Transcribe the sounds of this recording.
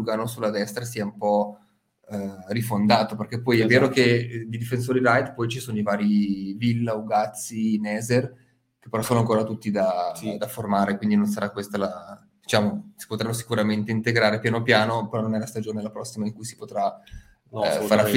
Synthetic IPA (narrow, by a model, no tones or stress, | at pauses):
uɡaːnosulad̪ɛst̪ɾasiːaumpɔ | rifond̪aːt̪operk̟epːɔjɛvːeːɾoked̪id̪ifens̬oːɾiɾajt̪pɔjt͡ʃisoːnoivaːɾivilːaoɡat̪sːinɛːzer | ke̥pːeɾɔsoːnoaŋkoːɾat̪ut̪ːid̪ad̪aformaːɾekwind̪inonsaɾakwest̪ala | d̪it͡ʃaːmosi̥pot̪ɾanːosi̥kuɾament̪eint̪eɡɾaːɾepjaːnopjaːnopeɾɔnonɛlast̪ad͡ʒoːnelapɾɔsːimaiŋkujsi̥pot̪ɾa | faɾa